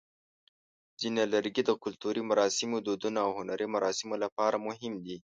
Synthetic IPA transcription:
z̥ineləɾɡid̪əkʊlt̪uɾimaɾɑsɪmod̪od̪unaawhʊnaɾimaɾɑsɪmolapɑɾamʊɦɪmd̪i

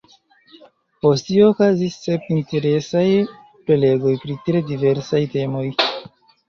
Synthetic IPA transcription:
po̞stioːkazisːe̞pinte̞ɾe̞saj | pɾe̞le̞ɡo̞jpɾitɾe̞dive̞ɾsajte̞mo̞j

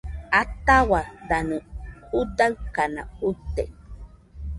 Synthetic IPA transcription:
at̪awad̪anũud̪awkana̰ut̪ːḛ

